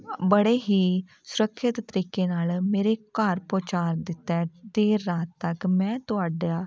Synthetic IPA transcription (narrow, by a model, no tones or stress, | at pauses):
bəɽeːɦiː | sʊɾəkʰʃɪt̪t̪əɾiːkeːnaːlmeːɾekaːɾpoːt͡ʃaːɾd̪ɪt̪ːɛːd̪eːɾːaːt̪ːəkmɛ̃ːt̪ʊaːɖaː